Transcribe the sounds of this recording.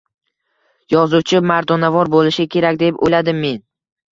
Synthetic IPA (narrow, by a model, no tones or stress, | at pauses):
jɒzut͡ʃʰɪmaɾd̪ɒnavɒɾbolɪʃɪkʲʰe̞ɾakʲd̪e̞po̰jlad̪ɪmːe̞n